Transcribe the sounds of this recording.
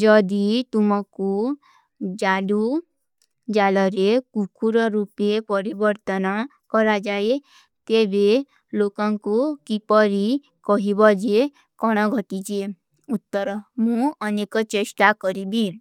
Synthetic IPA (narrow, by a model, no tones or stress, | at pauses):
d͡ʒɔd̪it̪umɔku | d͡ʒalu | d͡ʒalɔɾekukuɾɔɾupepɔɾibɔɾt̪ɔna | kɔɾad͡ʒae | t̪ebe | lokaŋkukipɔɾi | kɔɦibɔd͡ʒe | kɔɽ̃ɔɡʱɔʈit͡ʃie | ut̪ːɔɾɔmũɔnekɔt͡ʃesʈakɔɾibi